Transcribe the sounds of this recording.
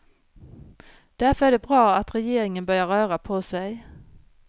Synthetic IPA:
d̪̥æɾfœɾæɖɛbɾɑːat̪ɾɛjeːɾɪŋənbœɾjaɾœːɾapʰɔsɛj

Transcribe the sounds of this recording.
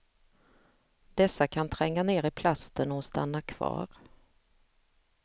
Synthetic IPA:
d̪̥ɛsːakʰant̪ʰɾɛŋːaneːɾɪpʰlast̪ənɔst̪a̰nːakʰv̥ɑ̰ːɾ

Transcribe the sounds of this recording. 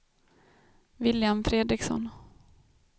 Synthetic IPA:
vɪljamfɾeːd̪ɾɪksɔ̰n

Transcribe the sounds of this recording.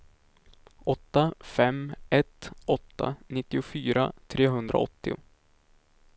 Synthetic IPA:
ʔɔt̪ːafɛmːɛt̪ɔt̪ːa̰nɪt̪ːɪʊfyːɾa̰t̪ʰɾeːɦɵnd̪ɾʔa̰ɔ̰t̪ːɪʊ̰

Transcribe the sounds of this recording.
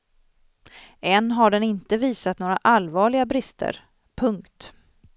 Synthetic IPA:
ɛnːɦaɖɛnɪnt̪əviːsat̪noːɾa̰ʔalvɑːɭɪɡabɾɪst̪ʰə̰ɾ | pʰɵŋkt̪

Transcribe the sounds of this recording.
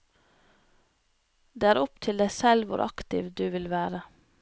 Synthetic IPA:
d̪eːæːɾɔpt̪ʰɪld̪æɪsɛlʋʊ̰ɾʔɑ̰kt̪ɪ̰ʋd̪ʉːʋɪlʋæːɾə

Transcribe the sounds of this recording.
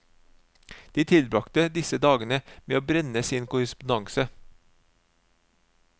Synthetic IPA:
d̪̥iːt̪ʰɪlbɾɑkt̪əd̪ɪsəd̪ɑːɡənəmeːoːbɾɛnəsiːnkʊɾɪspʊnɑŋsə

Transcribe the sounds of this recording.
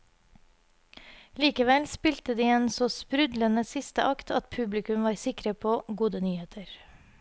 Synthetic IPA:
liːkəʋɛlspɪlt̪əd̪iːeːnsoːspɾʉd̪lənəsɪst̪əʔɑkt̪ʰɑt̪pʰʉblɪkʉmʋɑːɾsɪkɾəpʰoːɡuːd̪ənyːheːt̪ʰəɾ

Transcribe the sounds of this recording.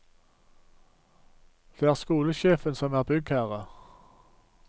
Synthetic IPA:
d̪̥eːæːʁskuːləʃeːfənsɔmæːʁbʏɡhæːʁə

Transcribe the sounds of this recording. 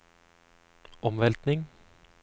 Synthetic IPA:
ɔmʋɛlt̪nɪŋ

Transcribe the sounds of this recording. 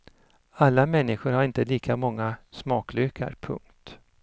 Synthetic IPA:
alːamɛnːɪɧʊɾhaɾɪnt̪əliːkamɔŋːasmɑːklʏːkʰa̰ɾpʰɵ̰ŋkt̪

